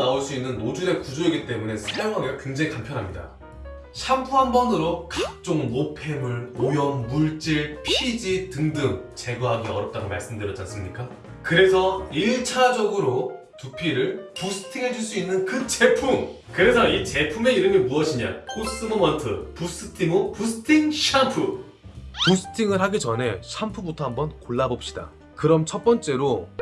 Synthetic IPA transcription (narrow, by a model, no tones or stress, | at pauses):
aoɭs͈uinːɯnːod͡ʑuɾe̞kud͡ʑoiɡit͈e̞mune̞sʰajoŋɦaɡekweŋd͡ʑeŋikampʰjʌnɦamɲida̰ | ɕʰampʰuɦanbʌnɯɾokak̚t͡ɕ͈oŋmopʰe̞mɯɭojʌnmuɭt͡ɕ͈iɭpʰid͡ʑitɯŋdɯŋt͡ɕe̞ɡuɦaɡiʌɾʌp̚t͈aɡoma̰ɭs͈ɯmdɯɾʌt͡ɕ͈ans͈ɯmɲik͈a | kɯɾe̞sʰʌiɭt͡ɕʰad͡ʑʌɡɯɾo | tupʰiɾɯɭpusʰɯ̥tʰiŋɦe̞d͡ʑuɭs̬͈uinːɯnkɯt͡ɕe̞pʰum | kɯɾe̞sʰʌit͡ɕe̞pʰume̞iɾɯmimuʌɕʰiɲa̰kʰos͈ɯmomʌntʰɯ̰pus͈ʰɯtʰiŋopusʰɯ̥tʰiŋɕʰampʰu | pusʰɯ̥tʰiŋɯɭɦaɡit͡ɕʌnɦe̞ɕʰampʰubutʰʌɦambʌnkoɭːabop̚ɕ͈i̥da̰ | kɯɾʌmt͡ɕʰʌt̚p͈ʌnt͡ɕ͈e̞ɾo